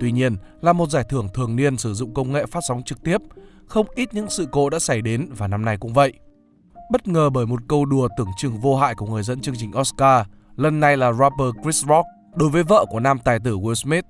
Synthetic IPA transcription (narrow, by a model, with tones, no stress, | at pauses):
t̪wi˧ɲi˧ənlaː˨˩mo˨˩t̚zaː˧˩jt̪ʰɨ˧˩əŋt̪ʰɨ˨˩əŋni˧ənsɨ˧˩zʊ̰˧˨ŋ͡mkə˧wŋ͡mŋḛ˧˨faː˦˥t̚sa˨˦wŋ͡mt͡ɕɨ˨˩k̚t̪i˦˥əp̚ | xə˧wŋ͡mʔi˦˥t̚ɲɨ̰˧˥ŋsɨ̰˧˨ko˨˦ɗa̰ː˧˥sa˧˩jɗe˨˦nvaː˨˩na˧mna˧jkʊ̰˧˥ŋ͡mvə̰˧˨jʔ | ɓə˦˥t̚ŋəː˨˩ɓəː˧˩jmo˨˩t̚kə˧wɗu˨˩ət̪ɨ˧˩əŋt͡ɕɨ˨˩ŋvo˧ɦa̰ː˧˨jku˧˩əŋɨ˨˩əjzə̰˧nt͡ɕɨ˧əŋt͡ɕï˨˩ŋ̟ʔɔ˦˥skaː˧ | lə˨˩nːa˧jlaː˨˩zaː˧pəː˧kɹi˦˥sɹɔ˦˥k̚ | ɗo˨˦jvəː˨˦jvə̰ː˧˨ku˧˩ənaː˧mt̪aː˨˩jt̪ɨ˧˩wi˧sme˦˥t̚